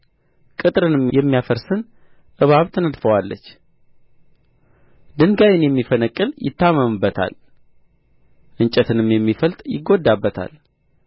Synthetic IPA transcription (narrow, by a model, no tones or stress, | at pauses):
kʼɨt̪ʼɾɨnɨmjɛmːijafəɾsɨn | ʔɨβaβt̪ʰɨnəd̪fəwalːə̰t͡ʃː | d̪ɨŋɡajɪnjɛmːifənəkʼːɨljɪ̰t̪ːaməmɨbːət̪ʰa̰l | ʔɨnt͡ʃʼɛt̪ʰɨnɨmjɛmːifəlt̪ʼjɪ̰ɡːo̞d̪ːabːət̪ʰa̰l